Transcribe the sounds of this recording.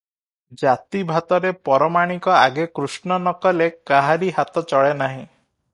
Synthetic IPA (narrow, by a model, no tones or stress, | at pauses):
d͡ʒat̪ibʱat̪ɔɾepɔɾɔmaɽ̃ikɔaɡekɾusnɔnɔkɔlekaɦaɾiɦat̪ɔt͡ʃɔɭenaɦĩ